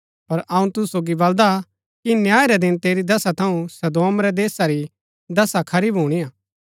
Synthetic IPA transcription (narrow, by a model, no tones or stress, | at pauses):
pɐɾɐũt̪ʊsoːɡibɐld̪a | kinjaːeɾɛd̪ɪnt̪eːɾid̪ɐsat̪ʰɐũsɐd̪oːmɾɛd̪eːsaɾi | d̪ɐsakʰɐɾiːbɦuːɽ̃ijaː